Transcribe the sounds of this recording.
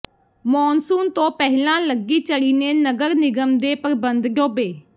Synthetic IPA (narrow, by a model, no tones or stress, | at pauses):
mɔːnsuːnt̪õːpɛɦlãːləɡiːt͡ʃəɽiːneːnəɡəɾnɪɡəmd̪eːpəɾbənd̪ɡoːbeː